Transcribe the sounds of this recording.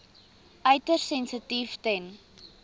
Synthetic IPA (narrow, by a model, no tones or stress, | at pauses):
ʔœɥtərsɛnsətiftɛn